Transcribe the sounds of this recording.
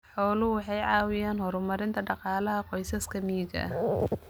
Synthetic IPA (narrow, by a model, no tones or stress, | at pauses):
ħɔːlʊwɑħɑjʕɑːwɪjaːnhɔɾʊmɐɾɪnt̪ʰɐɖɑqɑːlɐɦɐqɔjsɐskʰɐmiːd͡ʒɐ̰ʔ